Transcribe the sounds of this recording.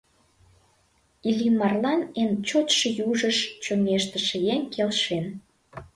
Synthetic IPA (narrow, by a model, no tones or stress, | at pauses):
ilʲimɑrlɑnent͡ɕot̪ʃə̆juʒəʃt͡ɕomeʃt̪əʃə̆jenkʰelʃen